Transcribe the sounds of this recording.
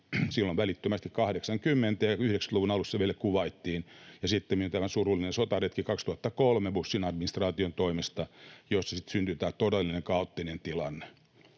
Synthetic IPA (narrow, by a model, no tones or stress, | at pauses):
silːoʋælit̪ːømæst̪ikkɑhɾeksɑŋkymːent̪æjɑyhɾeksæ̥luʋunɑlusːɑʋielækuʋɑit̪ːiːnjɑsit̪ːemmiyont̪æmæsurulinensot̪ɑret̪kikɑkst̪uhɑt̪ːɑkolmebusːinɑdminist̪rɑːt̪iont̪oimest̪ɑjosːɑsit̪synt̪yt̪æːt̪odelːineŋkɑot̪ːinent̪ilɑnːe̥